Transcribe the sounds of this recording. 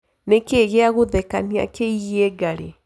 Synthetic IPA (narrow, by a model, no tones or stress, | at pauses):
nekeɣeaɣoðɛka̰nia̰keiɣeɡaɾe